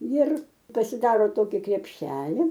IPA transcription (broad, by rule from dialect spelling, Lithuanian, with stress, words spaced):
jɪr pɐsʲɪˈdɑːroː ˈtoːkʲɪ krʲɛpʲˈʃʲæːlʲɪ